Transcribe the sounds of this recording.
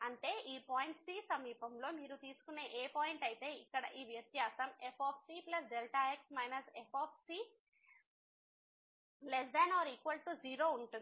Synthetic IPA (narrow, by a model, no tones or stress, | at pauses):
ɐɳʈe̞ːʔiːpaːjiɳʈsiːsɐmiːpɐmlo̞ːmiːɾut̪iːsu̥kune̞ːʔeːpaːjiɳʈɐjit̪e̞ːikːɐɽɐʔiːʋjɐt̪jaːsɐmepʰaːp̚ʰsiːplɐs̬ɖelʈaːeksmɐjnɐsepʰaːp̚ʰsiː | lesd̪ɐnaːɾikʋɐlʈuziːɾo̞ːuɳʈuni